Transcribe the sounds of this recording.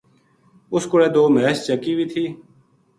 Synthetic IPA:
ʊskʊɽeːd̪oːmeːst͡ʃəkiːʋiːt̪ʰiː

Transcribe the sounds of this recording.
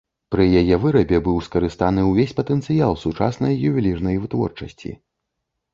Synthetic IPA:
pɾɨjajɛvɨɾɐbʲɛbɨwskɐɾɨst̪anɨwvʲesʲpɐt̪ɛnt̪sɨjalˠsut͡ʂa̰snɐjːuvʲilʲirnɐjvɨt̪vɔ̰rt͡ʂɐsʲt͡sʲḭ

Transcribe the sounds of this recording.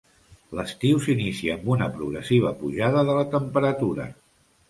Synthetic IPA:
ləst̪iwsinisiəːmbunəpɾuɣɾəsiβ̞əpuʒaðəðələt̪əmpəɾət̪uɾə̰

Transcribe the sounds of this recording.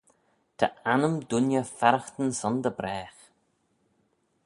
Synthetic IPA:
t̪ʰə̰anəmd̪ʊnjəfɛɾəxt̪ənsɔnd̪əbɾɛːx

